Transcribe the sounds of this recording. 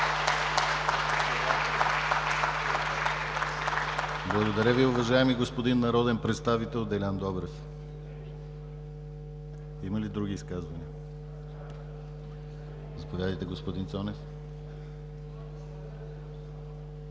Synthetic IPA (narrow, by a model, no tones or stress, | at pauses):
blˠɐɡod̪ɐɾəviʊvɐʒaɛmiɡospod̪inːɐɾɔd̪ɛnpɾɛt̪st̪avit̪ɛlˠd̪ɛlʲand̪ɔbɾɛf | imɐlid̪ɾuɡ̟iːskazvɐniə | zɐpovʲjad̪əjt̪ɛɡospod̪insɔnɛf